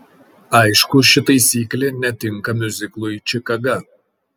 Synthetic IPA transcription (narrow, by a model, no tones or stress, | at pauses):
ɐɪʃkʊʃʲɪt̪ɐɪsʲiːklʲenʲɛt̪ʲɪŋkɐmʲʊzʲɪklˠʊjt͡ʃʲɪkɐɡɐ